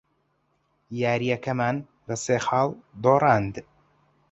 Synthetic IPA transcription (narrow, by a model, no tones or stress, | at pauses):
jaːɾijɛkɐmaːn | bɐseːxɑːld̪oːrˤɑːnd̪